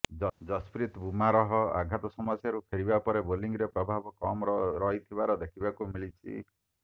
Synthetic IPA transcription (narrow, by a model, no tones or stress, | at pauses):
d͡ʒɔspɾit̪bumaɾɔɦɔa̰ɡʱat̪ɔsɔmɔsjaɾupʰeɾibapɔɾeboliŋɾepɾɔbʱabɔkɔmɔɾɔɦit̪ʰibaɾɔd̪ekʰibakumilit͡ʃʰḭ